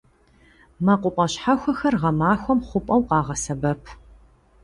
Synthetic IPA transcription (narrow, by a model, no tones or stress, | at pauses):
maqʷʼʊpʼɐɕħaxʷɔxɐrʁɐmaːxʷɔmχʷʊpʼɐwqɑːʁɐsɐbɐpʰ